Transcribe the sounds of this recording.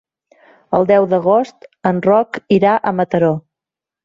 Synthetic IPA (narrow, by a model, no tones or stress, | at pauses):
əlˠd̪ɛwðəɣ̞ost̪ənrɔkiɾaʔəmət̪əɾo